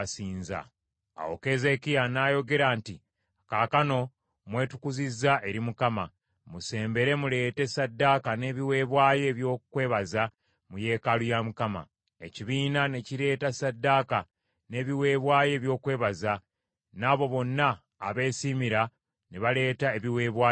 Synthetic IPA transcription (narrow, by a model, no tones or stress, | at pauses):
siːnza̰ | a̰wo̰ke̞ːze̞kijanaːjo̞ɡe̞ɾaːnti | kaːkano̞ | mwe̞ːtukuzizːaʔe̞ɾimukama̰ | muse̞ːmbe̞ɾe̞mule̞ːte̞sadːakane̞ːβiwe̞ːβwaːje̞βjo̞ːkwe̞ːβaza | muje̞ːkalujamukama̰ | e̞ciβiːnane̞ciɾe̞ːtasadːaːka | ne̞ːβiwe̞ːβwaːje̞ːβjo̞ːkwe̞ːβaza | naβo̞βo̞nːaː | βe̞ːsimiɾa | neβale̞ːtae̞βiwe̞ːβwaːj